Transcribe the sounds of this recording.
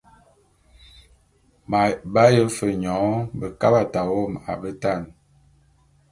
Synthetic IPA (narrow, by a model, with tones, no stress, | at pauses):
ba˦jə˦fə˨ɲɔ˨˦bə˨ka˦ba˦˨ta˨wo˦˨ma̰˨bə˦ta˦˨n